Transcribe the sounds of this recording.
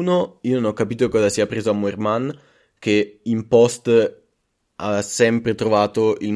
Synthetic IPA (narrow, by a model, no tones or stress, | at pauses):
noiːononɔkːapiːt̪okɔːzasiapːɾeːzoamːuerman | k̟eimpɔst̪ | a̰asɛmpɾet̪ɾovaːt̪oil